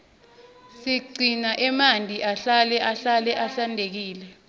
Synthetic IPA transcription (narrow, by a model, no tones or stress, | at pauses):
siɡ͡ǀʱinaʔɛmandʱiʔaɬalɛʔaɬalɛʔaɬandʱek̬iːlɛ